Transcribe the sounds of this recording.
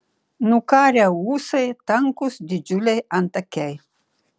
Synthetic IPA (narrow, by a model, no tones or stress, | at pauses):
nukaɾjawusejt̪aŋkusd̪id͡ʒulejant̪akɛj